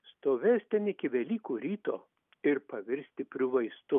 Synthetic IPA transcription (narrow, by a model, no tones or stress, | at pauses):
st̪oːʋʲeːsʲt̪ʲɛnɪkʲɪʋʲɛlʲiːkuːɾʲiːt̪oː | ɪɾpɐʋʲɪɾʲsʲt̪ʲɪpʲɾʲɪʋɐɪst̪ʊ